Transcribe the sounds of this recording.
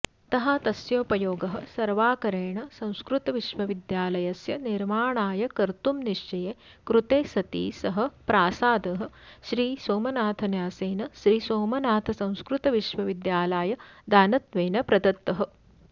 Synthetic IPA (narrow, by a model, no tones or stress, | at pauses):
t̪ɐɦat̪ɐsjoːpɐjoːɡɐɦɐ̰̆sɐɾʋaːkɐɾeːɳɐsɐ̃w̃skɾut̪ɐʋiʃʋɐʋid̪jaːlɐjɐsjɐniɾmaːɳaːjɐkɐɾt̪umniʂt͡ʃɐjeː | kɾut̪eːsɐt̪ḭːsɐɦɐ̆pɾaːsaːd̪ɐɦɐ̆ʃɾiːsoːmɐnaːt̪ʰɐnjaːseːnɐʃɾiːsoːmɐnaːt̪ʰɐsɐ̃w̃skɾut̪ɐʋiʃʋɐʋid̪jaːlaːjɐd̪aːnɐt̪ʋeːnɐpɾɐd̪ɐt̪ːɐɦɐ